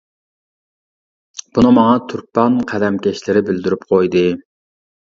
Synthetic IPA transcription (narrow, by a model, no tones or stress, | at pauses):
b̥unɨmɑŋɑt̪ʰuɾpɑnqʰæd̪ɛmkʲʰɛʃlɪɾɪbɪld̪yɾypqʰojd̪ɨ